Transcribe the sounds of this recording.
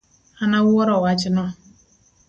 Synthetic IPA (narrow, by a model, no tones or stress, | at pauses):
hanawʊwɔɾɔwat͡ʃɪnɔ